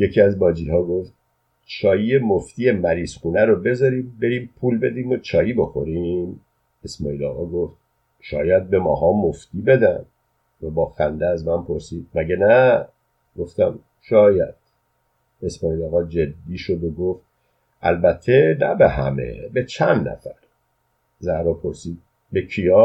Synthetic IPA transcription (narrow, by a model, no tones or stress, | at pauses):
jecʰiːæzbɒːd͡ʒiːhɒːɡo̞ft̪̚ | t͡ʃʰɒːjijemoft̪iːje̞mæɾiːz̥xuːnæɾobe̞zɒːɾiːmbe̞ɾiːmpʰuːlbe̞d̪iːmot͡ʃʰɒːjiːbo̞xo̞ɾim | e̞smɒːiːlɒ̰ːɣɒːɡo̞ft̪̚ | ʃɒ̰ːjæd̪̚be̞mɒ̰ːɦɒːmoft̪iːbe̞d̪æ̰n | væbɒːxænd̪eæzmænpʰoɾsiːd̪̥̚mæɟenæ | ɡ̥o̞ft̪æm | ʃɒːjæd̪̥ | e̞smɒːiːlɒːɣɒːd͡ʒe̞d̪ːiːʃod̪oɡoft̪̚ | æ̰lbæt̪ʰːe̞næbeɦæ̰me̞̰be̞t͡ʃʰænd̪næ̰fæɾ | zæhɾɒːpʰo̞ɾsiːd̪̚ | becʰijɒː